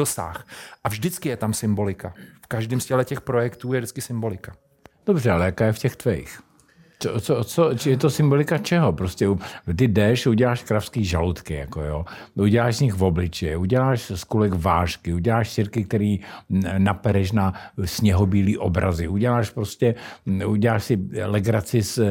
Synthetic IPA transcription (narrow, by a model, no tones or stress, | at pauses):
osa̰ːxʔavʒdɪt͡skɪjɛt̪amsɪmbolɪkafkaʒdiːmscɛlɛcɛxpɾojɛkt̪uːjɛdɪt͡skɪsɪmbo̞lɪkḁ | d̥obr̝ɛalɛjakaːjɛfcɛxt̪vɛḭx | t͡sot͡sot͡sot͡ʃjɛt̪osɪmbo̞lɪkat͡ʃɛɦopɾoscɛut̪ɪdɛʃuɟɛlaːʃkɾafskiːʒalut̪kɪja̰kojoːʔuɟɛlaːʒzɲɪxvo̞blɪt͡ʃɪuɟɛlaːʃskulɛkvaːʃkɪuɟɛlaːʃsɪɾkɪk̚t̪ɛɾiːnapɛɾɛʃ̬nasɲɛɦobiːliːʔobɾʔa̰zɪʔuɟɛlaːʃpɾoscɛuɟɛlaːʃsɪlɛɡɾat͡sɪs